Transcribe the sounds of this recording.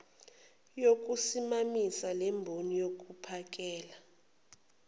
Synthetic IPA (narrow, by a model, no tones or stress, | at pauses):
jok̬ʼusimamisalɛmbʱonijok̬ʼupʰak̬ʼɛːla